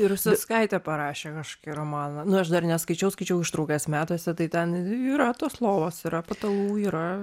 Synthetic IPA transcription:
ɪɾʊʃʲsʲɪskɐɪt̪ʲɛpɐɾɑːʃʲeːkɐʃkkɐɪrɐmɑːnɐnʊɐʃd̪ɐrnʲɛskɐɪt͡ʃʲɛʊskɐɪt͡ʃʲɛʊɪʃt̪ɾɐʊkʲeɛsmʲæːt̪oːsʲɛt̪ɐɪt̪ʲɛniːɾɐt̪oːslˠoːʋoːsiɾɐpɐt̪ɐluːiːɾɐ

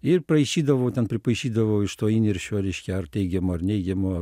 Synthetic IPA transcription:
ɪrprɐɪʃʲiːd̪ɐʋɐʊt̪ʲɛnpʲɾʲɪpɐɪʃʲiːd̪ɐʋɐʊɪʃt̪oːiːnʲeɾʲʃʲoːɾʲɛɪʃʲkʲɛɐrt̪ʲɛɪɡʲɛmoːɐrnʲɛɪɡʲɛmoː

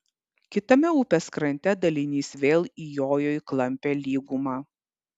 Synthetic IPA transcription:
kʲɪt̪ɐmʲɛuːpʲɛskɾɐnʲt̪ʲɛd̪ɐlʲɪnʲiːsʋʲeːlˠiːjoːjoːjklˠɐmʲpʲeːlʲiːɡumɑː

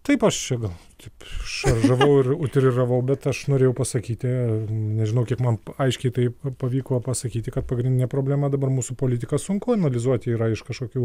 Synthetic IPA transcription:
t̪ɐɪpɐʃt͡ʃʲɛɡɐlˠt̪ɐɪpʃʃɐrʒɐʋɐʊɪʊt̪ʲɾʲɪrɐʋɐʊbʲɛt̪ɐʃnoːɾʲeːjɛʊpɐsɐkʲiːt̪ʲɪnʲɛʒʲɪnɐʊkʲiɛkmɐnɐɪʃʲkʲɛɪt̪ɐɪpɐʋʲiːkoːpɐsɐkʲiːt̪ʲɪkɐt̪̚pɐɡɾʲɪndʲɪnʲɛpɾoːbʲlʲæːmɐd̪ɐbɐrmuːsʊpoːlʲɪt̪ʲɪkɐsʊŋkʊɐnɐlʲɪzuɔt̪ʲɪiːɾɐɪʃkɐʃkoːkʲuː

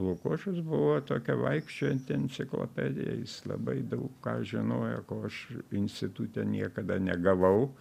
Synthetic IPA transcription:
lˠʊkoːʃʲʊsbʊʋoːt̪oːkʲɛʋɐɪkʃʲt͡ʃʲoːɪnʲt̪ʲɛnʲt͡ssʲɪklˠo̰ːpʲæd̪ʲɪ̰jɛ̰jɪslˠɐ̰bɐɪd̪ɐʊkkɑːʒʲɪnoːjɛkoːɐʃɪnʲsʲt̪ʲɪt̪ut̪ʲɛnʲiɛkɐd̪ɐnʲɛɡɐʋɐʊ

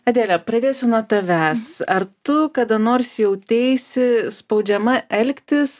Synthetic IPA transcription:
ɐd̪ʲeːlʲɛpɾɐd̪ʲeːjsʲʊnuɔt̪ɐʋʲæːsɐɾt̪ʊkɐd̪ɐnoːɾʲsʲjɛʊt̪ʲɛɪsʲɪspɐʊd͡ʒʲɛmɐʔɛlʲkʲt̪ʲɪs

